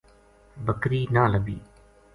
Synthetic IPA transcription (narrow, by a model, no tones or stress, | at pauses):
bəkɾiːnaːləɡiː